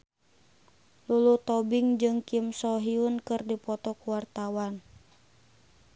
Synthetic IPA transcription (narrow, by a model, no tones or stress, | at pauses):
lulut̪ɔbiŋd͡ʒɨŋkimsɔɦiunkɨrdipɔt̪ɔkuwart̪awan